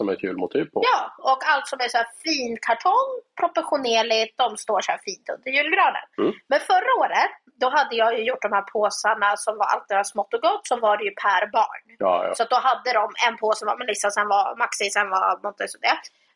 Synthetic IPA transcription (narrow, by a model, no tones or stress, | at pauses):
sɔmæ̰ɾkʰʉ̰ːlmʊt̪ʰiːvpʰɔjɑːɔkalt̪sɔmæʂɔæːfiːnkʰaʈʰɔnpʰɾɔpɛɧʊneːɭɪt̪̚d̪ɔmst̪oːʂɔæ̰ːɾfiːnt̪ɵ̰nd̪əɾjʉ̟ːlɡɾɑːd̪ə̰nmɛnfœɾːaoːɾət̪ | d̪ɔɦad̪ːəjɑːjɵjʊʈːɖ̪ɔmhæːɾpʰoːsaɳasɔmvaɾʔa̰lt̪̚d̪ɛd̪asmɔt̪ːɔɡɔt̪ːsɔvaɖɛjɵpʰæɾbɑ̰ːɳ̰ː | sɔat̪̚d̪ɔɦad̪ːəd̪ɔmɛ̰npʰoːsɔma̰mɛnlɪsansɛnvamaksɪsɛnva̰mɔnt̪ːɛsɔd̪ɛ̰